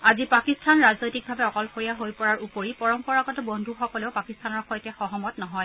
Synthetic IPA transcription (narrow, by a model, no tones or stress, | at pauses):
azipakistʰanɹaznojtik̚bʱabɛɔkɔlxoɹijaɦojpɔɹaɹupoɹipɔɹɔmpɔɹaɡɔtɛbɔndʱuxɔkɔleʊpakistʰanɔɹxɔjtɛxɔɦɔmɔtnɔɦɔj